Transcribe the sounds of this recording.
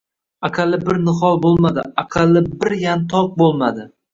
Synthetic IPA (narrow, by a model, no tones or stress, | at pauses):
akʰalːɪbɪɾnɨχɒlˠbolˠmad̪ɪ̰aqʰalˠːɪbɪɾjant̪ʰɒq̚bolˠmad̪ɪ